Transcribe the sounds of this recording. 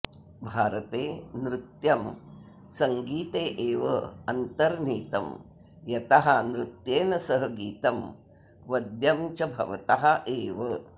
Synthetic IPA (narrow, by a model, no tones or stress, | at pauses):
bʱaːɾɐt̪eːnɾut̪jɐm | sɐŋɡiːt̪eːʔeːʋɐ̰ɐnt̪ɐɾniːt̪ɐ̰m | jɐt̪ɐɦɐnɾut̪jeːnɐsɐɦɐɡiːt̪ɐm | ʋɐd̪jɐmt͡ʃɐbʱɐ̰ʋɐ̰t̪ɐɦɐʔeːʋɐ